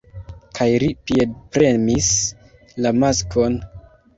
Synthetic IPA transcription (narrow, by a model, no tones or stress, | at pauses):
kʰajlipied̚pɾe̞mis | lamaskʰo̞n